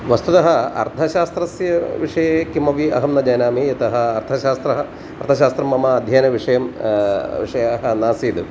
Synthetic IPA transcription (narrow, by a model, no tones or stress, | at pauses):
ʋɐst̪ut̪ɐɦɐɐ̰ɾt̪ʰɐʃaːst̪ɾɐsjɐʋiʂɐjekimɐʋiɐ̰ɦɐmnɐd͡ʒɐjnaːmiɐt̪ɐɦɐːɾt̪ʰɐʃaːst̪ɾɐɦɐ | ɐɾt̪ʰɐʃaːst̪ɾɐmːɐmɐːd̪ʱjɐːnɐʋiʂɐjɐm | ʋḭʂɐjaːɦɐnaːsiːd̪ɨ